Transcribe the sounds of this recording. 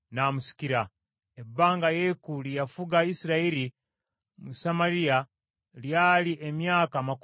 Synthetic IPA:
naːmusi̥kiɾa | ebːaːŋɡajekulijafuɡaisiɾaiɾi | musamaɾija | ljaːliʔemjaːkamak

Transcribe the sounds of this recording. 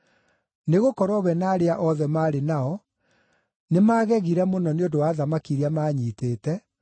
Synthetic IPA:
neɣokɔɾwɔβɛnaːɾeaʔɔðɛmaːɾenaɔ | nemaːɣɛɣiɾɛmonɔneondowaːðamakiɾiamaːɲiːteːtɛ

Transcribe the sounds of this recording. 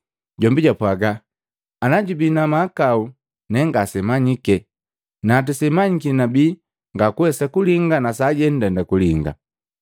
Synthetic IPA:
ɟɔmbiɟapwaɡaː | naɟubinamaːkau | nɛŋɡasɛmaɲikɛ | naːt̬usɛmaɲikinabi | ŋɡakuwɛsakuliŋɡanasaɟɛn̩dɛndakuliŋɡa̰

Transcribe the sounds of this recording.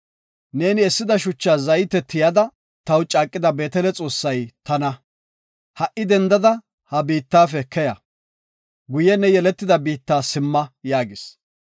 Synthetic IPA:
ne̞ːnɪɛsːɪd̪ɐʃʊt͡ʃːaːzɐjt̪ɛt̪ːɪjɐd̪ɐ | t̪ɐwt͡ʃʼaːkʼːɪd̪ɐbe̞ːt̪ɛlɛt͡sʼo̞ːsːɐjt̪ɐnɐ | hɐʔɪd̪ɛnd̪ɐd̪ɐ | hɐbiːt̪ːaːfɛkʰɛjɐ | ɡʊjɛnɛjɛlɛt̪ːɪd̪ɐbiːt̪ːaːsɪmːɐjaːɡɪs

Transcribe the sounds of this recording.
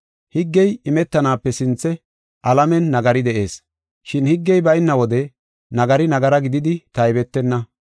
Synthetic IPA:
hɪɡːɛjɪmɛt̪ːɐnaːpːɛsɪnt͡sːɛ | ʔɐlɐmɛnːɐɡɐɾɪd̪ɛʔe̞ːs | ʃɪnhɪɡːɛjbɐjnːɐwɔd̪ɛ | nɐɡɐɾɪnɐɡɐɾɐɡɪd̪ɪd̪ɪt̪ɐjbɛt̪ːɛnːɐ

